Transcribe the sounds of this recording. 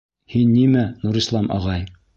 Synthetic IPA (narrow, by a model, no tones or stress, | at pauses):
hinːimænuɾislˠɑmʔɑ̰ʁɑj